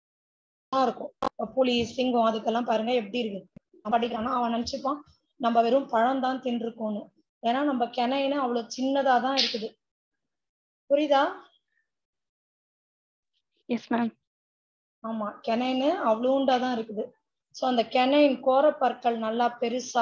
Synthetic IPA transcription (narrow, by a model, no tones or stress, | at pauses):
ãːɪɾɯkːʊ̃ɐɐpʊliːsɪŋɡʊ̃ɐðɯkːɛlːãːpaːɾɯŋɡɐɛpːɐɽiɪɾɯkːɯ | nɐmɐɽɪkːɾaːnãːɐʋɐ̃ːnɐnt͡ʃːɪpːãː | nɐmbɐʋɛɾɯ̃mpɐɻɐ̃nt̪ãːnt̪ɪnɖɪɾɯkːõːnːɯ | eːnːaːnɐmbɐkɛnɐɪnɯɐʋːɐɭoːt͡ʃɪnːɐðaːt̪ãːɪɾɯkːɯðɯ | pʊɾɪðaː | jɛsmɛɽɐm | aːmaːkɛnɐjnɯɐʋɐɭoʊɳɖaːt̪ãːɪɾɯkːɯðɯ | soːɐnd̪ɐkɛnɐjnkoːɾɐpːɐɾkːɐɭnɐlːaːpɛɾɯsa